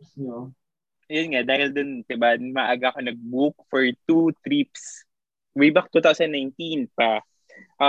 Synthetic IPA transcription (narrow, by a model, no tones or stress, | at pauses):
jonŋad̪aːhɪld̪ont̪ɪbamɐʔaːɡaʔkonɐɡ̚buk̚fɔɹt̪ut̪ɾips | wibak̚t̪uːt̪awsɐnd̪najnt̪inpa | ʔa